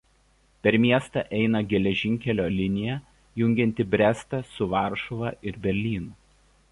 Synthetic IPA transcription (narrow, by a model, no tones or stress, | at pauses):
pʲɛɾmʲiɛst̪ɐʔɛɪnɐɡʲɛlʲɛʒʲɪŋʲkʲɛlʲoːlʲɪnʲɪjɛ | jʊŋʲɡʲɛnʲt̪ʲɪbʲɾʲæst̪ɐsʊʋɑˑɾʃɔʋɑʔɪɾbʲɛɾʲlʲiːnuː